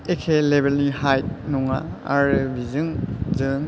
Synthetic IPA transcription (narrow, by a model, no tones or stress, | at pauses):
ekʰelebelnihajt̚nuŋa̰a̰ɾɯbʱizɯŋzɯŋ